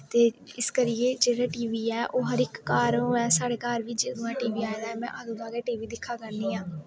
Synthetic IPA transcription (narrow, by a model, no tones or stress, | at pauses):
t̪eːɪskəɾɪeːd͡ʒeːɽaːʈiːʋiːɛːʔoːɦəɾɪkːaːɾɛ̃ːsaːɽeːkaːɾʋiːd͡ʒedũːɛ̃ːʈiːʋiːaːjd̪aːɛːmɛ̃ʔaːd̪ũːd̪aːɡɛːʈiːʋiːd̪ɪkʰːaːkəɾniːãː